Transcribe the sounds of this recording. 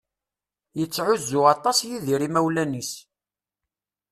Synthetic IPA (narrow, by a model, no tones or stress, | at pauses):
jət͡sːʕʊzːʊɑt̪ˤɑsjiðiɾimæwlænis